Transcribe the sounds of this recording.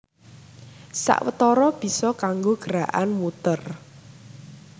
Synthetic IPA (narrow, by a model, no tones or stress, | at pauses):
sa̰ʔwət̪ɔɾɔb̥i̤sɔkaŋɡoɡ̥əɾaʔanmut̪ər